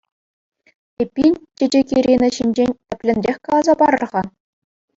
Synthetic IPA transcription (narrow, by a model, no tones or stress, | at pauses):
epʲːinʲtʲed͡ʑekʲiɾʲinɘ̆ɕinʲd͡ʑenʲɘ̆pʲlʲɘ̆nʲrʲexʲkɑlˠɑzɑbɑɾɤ̆rʁɑ